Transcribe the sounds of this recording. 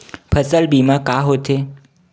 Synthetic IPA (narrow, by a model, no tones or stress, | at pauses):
pʰəsəlbimãkaɦot̪ʰe